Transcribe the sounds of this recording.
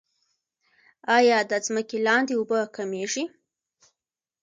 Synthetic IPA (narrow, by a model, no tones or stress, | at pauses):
ɑjɑd̪əzməkelɑnd̪eobəkameʐi